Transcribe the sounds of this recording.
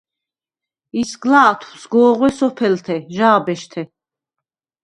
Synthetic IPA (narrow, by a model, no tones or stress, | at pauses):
isɡlaːt̪ʰusɡɔːʁwɛsɔpʰɛlt̪ʰɛʒaːbɛʃt̪ʰɛ